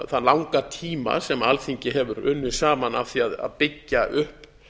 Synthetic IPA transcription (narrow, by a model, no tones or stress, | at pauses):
θalawŋkat̪ʰiːma̰sɛmalθiɲcɪɦɛvʏɾʏnːʏsaːmana̰fθiaða̰ðpɪcːaʔʏhp